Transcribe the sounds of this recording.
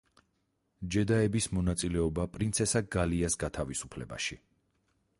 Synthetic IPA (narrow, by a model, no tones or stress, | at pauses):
d͡ʒɛd̪aɛbismɔnat̪sʼilɛɔbapʼɾint̪sʰɛsaɡaliasɡat̪ʰavisupʰlɛ̰ba̰ʃi